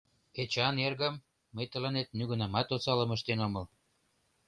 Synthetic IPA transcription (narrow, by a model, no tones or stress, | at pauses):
et͡ɕɑnerɣə̆mː | əjt̪ə̆lɑnet̪̚nyɣə̆nɑmɑt̪ot͡sɑlə̆məʃt̪enomɤl